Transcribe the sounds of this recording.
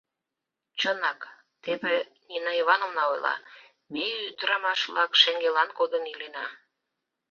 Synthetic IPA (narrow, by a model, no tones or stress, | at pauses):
t͡ɕənɑk | t̪eβenʲinɑiβɑnomnɑojlɑ̰ | meyt̪əɾɑmɑʃβlɑkʃeŋɡelɑnkod̪ənilenɑ